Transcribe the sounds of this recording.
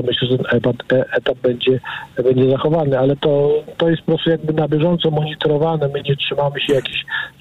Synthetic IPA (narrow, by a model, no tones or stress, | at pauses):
ɔmɘɕlɛʐɛt̪ɛnɛpat̪ɛʔɛt̪ab̚bɛɲd͡ʑɛbɛɲd͡ʑɛzaxɔvanɘalɛt̪ɔt̪ɔjɛst̪pɔpɾɔst̪ujaɡ̚bɘnabʲjɛʐɔnt̪sɔmɔɲit̪ɔɾɔvanɛmɘɲɛtʂɘmamɘɕɛjakʲiɕ